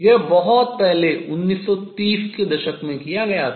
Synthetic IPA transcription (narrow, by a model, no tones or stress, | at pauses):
jebɐɦɔt̪̚pɛɦleʊnːiːsːɔt̪iːsked̪ɐʃəkmẽkijaɡɐja